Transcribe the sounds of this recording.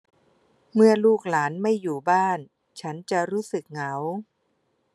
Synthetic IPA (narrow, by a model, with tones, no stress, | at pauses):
mɯ˥˩ɐluː˥˩k̚laː˩˦nma˥˩jːuː˨˩baː˥˩n | t͡ɕʰa˦˥nt͡ɕa˨˩ɾuː˦˥sɯ˨˩k̚ŋa˩˦w